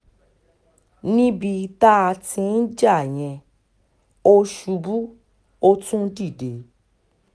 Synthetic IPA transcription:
nĩ˦bi˧ta˦a˧tĩ˧n̩˦d͡ʒa˦˨j̃ɛ̃˧ | o˦ʃu˧bu˦ | o˦˧tũ˦di˦˨de˨˦

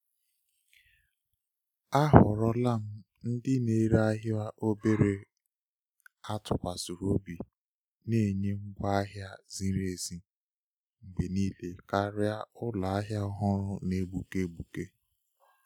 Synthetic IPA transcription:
a˦ɦʊ̰˨ɾɔ˦la˦˨m̩˦ | n̩˦dɪ˦ne˨˦ɾa˦ɦɪ˦a˦ʔo˦be˦ɾe˦ | a˦tʊ˨kʷa˨su˨ɾo˦bi˨ | ne˦˨ɲe˦ŋ̩˦ɡʷa˦a˦ɦja˦zi˦ɾe˨zi˦ | ŋ͡m̩˨ɡ͡be˨niː˦le˨ka˦ɾɪ˦a˦ʊ˦la˨a˦ɦja˦ʊ˦ɦʊ˦ɾʊ˦ne˦ɡ͡bu˨ke˦ɡ͡bu˨ke˦

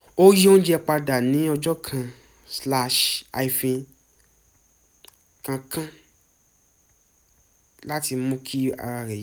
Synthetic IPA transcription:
o˦ji˦õ˦d͡ʒɛ˧k͡pa˧da˨nĩ˨˦ɔ˧d͡ʒɔ˦kʰã˧˨ | sla˧ʃa˧˨i˨fĩ˧ | kã˧kʰã˦ | la˦ti˧˦mũ˧˦kʰi˦a̰˧ɾa˧ɾɛ˨ji˨˦

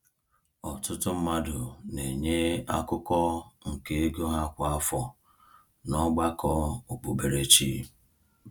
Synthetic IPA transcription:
ɔ˨tʊ˦tʊ˦m̩˦ma˦dʊ˨ne˨ɲe˦a˦kʊ˦kɔ˦ŋ̩˨ke˨e˦ɡo˦ɦa˦kʷʊ˨a˦fɔ˦ | nɔ˦ɡ͡ba˦kʰɔ˦o˨k͡po˨be˨ɾe˨t͡ʃi˦

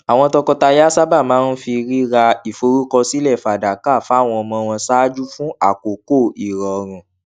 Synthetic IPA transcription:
a˨w̃ɔ̃˧tɔ˧kɔ˧ta˧ja˦sa˦ba˦˨mãː˨˦n̩˦fi˧ɾi˦ɾa˧i˨fo˧˦ɾu˦kɔ˧si˦lɛ˦˨fa˨da˨ka˦˨fw̃ɔ̃˧ɔ˧mɔ̃˧w̃ɔ̃˧sa˦d͡ʒu˦fũ˦a˦˨ko˨ko˦˨i˨ɾɔ˨ɾ̃ũ˨

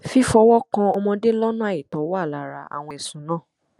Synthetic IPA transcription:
fi˦fɔ˧wɔ˦kã˧ɔ˧mɔ̃˧de˦lɔ˦nũ˦a˦˨i˨tɔ˨˦wɔ˦a˦˨la˨ɾa˧a̰˨w̃ɔ̃˧ɛ˨sũ˨˦nã˦˨

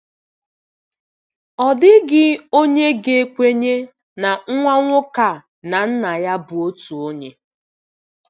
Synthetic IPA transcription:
ɔ˨dɪ˦ɡɪ˦o˦ɲe˦ɡe˨e˨kʷe˦ɲe˦ | na˨ŋ̩˦ŋʷa˦ŋʷʊ˦ka˨ | na˨n̩˦na˨ja˦bu˨o˦tu˨o˦ɲe˦

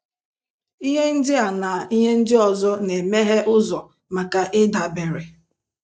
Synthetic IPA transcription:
i˦ɦe˦n̩˦dɪ˦a˨na˨i˦ɦe˦n̩˦dɪ˦ɔ˨zɔ˦ne˨me˦ɦe˦ʔʊ˦zɔ˨ | ma˨ka˨ʔɪ˦da˨be˨ɾe˨

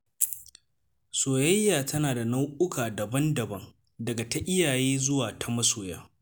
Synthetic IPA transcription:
soː˨jɐ˦jːaː˨tʰɐ˦naː˨da˨nɐ˦wʔʊ˦kʰaː˨dɐ˨bɐ˦ndɐ˨bɐ˦ŋ | dɐ˨ɡa˨ta˦ʔɪ˦jaː˨jeː˦zʊ˦waː˨tʰa˦mɐ˦soː˨ja̰ː˦

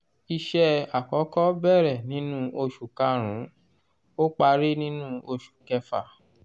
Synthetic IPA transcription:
i˧ʃɛ˧a˨kɔ˨˦kɔ˦bɛ˦˨ɾɛ˨nĩ˨˦nũ˦o˧ʃu˨ka˨˦ɾ̃ũ˨˦ | o˦k͡pa˧ɾe˦nĩ˦nũ˦o˧ʃu̥˨kɛ˧fa̰˨

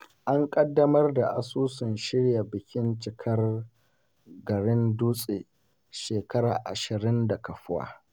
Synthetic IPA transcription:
ʔa˦ŋkʼɐ˦dːɐ˦mɐ˦rda˨ʔa˦suː˦sɪ˨nʃɪ˦ɽja˨bɪ˨kʲɪ˦nt͡ʃɪ˨kʰɐ˦r | ɡɐ˨ɽɪ˦nduː˦sʼeː˨ | ʃeː˨kɐ˦ɾa̰ː˨ʔa̰˨ʃɪ˨ɾɪ˦nda˨kɐ˨ɸʊ˦wa̰ː˦

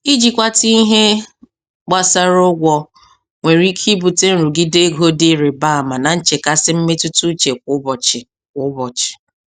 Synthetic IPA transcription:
i˦d͡ʒi˨kʷa˦ti˦i˦ɦe˦ | ɡ͡ba˦sa˦ɾʊ˦ɡʷɔ˦ | ŋʷe˨ɾi˦kʰi˦bu˨te˦n̩˦ɾu˨ɡɪ˦de˦ɡo˦dɪ˦ɾe˨ba˦˨ma˨na˨n̩˦t͡ʃe˨ka˦sɪ˦m̩˦me˦tʊ˦tu˦t͡ʃe˨kʷʊ˨˦bɔ˨t͡ʃɪ˨ | kʷʊ˦bɔ˨t͡ʃɪ̥˨

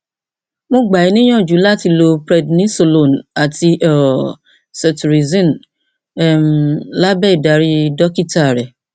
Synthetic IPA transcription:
mõ˧ɡ͡ba˨i˨˦nĩ˦j̃ã˦˨d͡ʒu˨˦la˦˨ti˧lo˧pɾɛ˧dnĩ˦so˧˨lo˨na˨ti˧ɔ˦˨ | sɛ˨tu˨ɾi˨zĩ˦n | ɛ˦˨mla˦bɛ˦˨i˨da˨˦ɾi˦dɔ˦ki˦ta˦˨ɾɛ˨

